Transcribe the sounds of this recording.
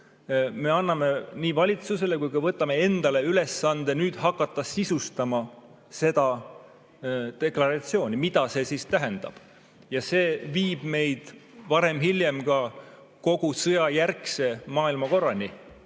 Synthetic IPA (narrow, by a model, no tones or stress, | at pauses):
me̞ɑnːɑme̞niːvɑlʲit̪suse̞le̞kujkɑvɤt̪ːˑɑme̞e̞nd̪̥ɑle̞yle̞sːɑnd̪̥e̞nyːd̪̥hɑkːɑt̪ˑːɑsisust̪ɑmɑ | se̞d̪ɑ | t̪e̞klɑɾɑt̪sio̞ːnʲimid̪̥ɑse̞ːsist̪æɦend̪̥ɑ̰b̥ | jɑse̞ːviːb̥me̞jd̪̥vɑɾe̞mɦilje̞mkɑ | ko̞ɡ̥usɤjɑjærkse̞mɑːilmɑko̞rːɑnʲi